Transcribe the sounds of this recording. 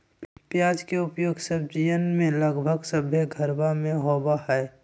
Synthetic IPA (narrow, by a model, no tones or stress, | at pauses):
pjaːd͡ʒkeʊpjoːɡsəb̚d͡ʒijənmẽləɡbʱəɡsəbʱjeɡʱəɾbamẽɦoːbahɛː